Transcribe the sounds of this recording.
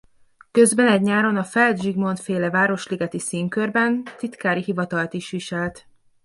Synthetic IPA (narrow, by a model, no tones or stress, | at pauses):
kø̞zbɛnɛɟɲaːɾonɒfɛld̪ʒiɡmo̞nt̪feːlɛvaːɾo̞ʃliɡɛt̪isiːŋkørbɛnt̪it̪kaːɾiɦivɒt̪ɒlt̪iʃʋiʃɛlt̪